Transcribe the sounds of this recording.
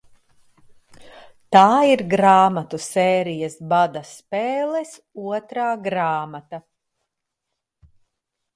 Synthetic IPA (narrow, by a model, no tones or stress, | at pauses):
t̪aːiɾɡɾaːmat̪usɛːɾijɐsbad̪aspɛːlˠɛs | uɔt̪ɾaːɡɾaːmat̪a